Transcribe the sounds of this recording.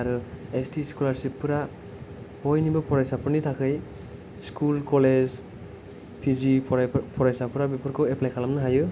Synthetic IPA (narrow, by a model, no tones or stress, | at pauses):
aɾuestiskulaɹsipːɯɾa | bɔjnibɔpʰɔɾajsapɔɾnitʰakʰɯj | skulkɔlez | pʰizippʰɔɾajsapɯɾabipɔɾkʰɔwɛplajkʰalamnaɦajɯ